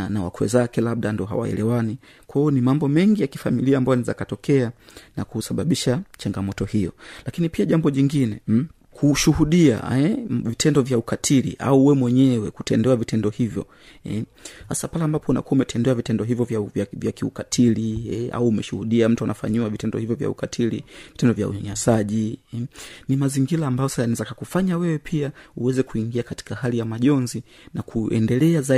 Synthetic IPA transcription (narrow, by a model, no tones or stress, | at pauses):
anawa̰kwɛ̰zakɛlaɓ̚ɗandiɔɦa̰wa̰ɛ̰lɛwani | kwaɔnimambɔmɛŋɡijaki̥familiaːmbajɔniza̰katɔkɛanakusaɓaɓiʃat͡ʃaŋɡamɔtɔhijɔ̰lakinipiaʄambɔʄiŋɡinɛ | kʰuʃuhuɗia̰ɛvitʰɛndɔvjaukatʰilḭʔa̰uwɛmwɛɲɛwɛkutɛndɛwavitʰɛndɔhivjɔ̰ | ɛ | hasapalɛambapʰɔuna̰kuaumɛtʰɛndɛavitɛndɔɦivjɔvavavjakiṵkatʰiliɛa̰uːmɛʃuhuɗiam̩tuanafa̰ɲiwavitɛndɔhivjɔvja̰ṵkatʰilḭvitɛndɔvja̰ṵɲɲasaʄi | nimaziŋɡilaːmbajɔsasanizakakufaɲawɛwɛpʰiauwɛzɛkuiŋɡiakati̥kaɦalijamaʄɔnzi | nakʰuʔɛ̰ndɛlɛaza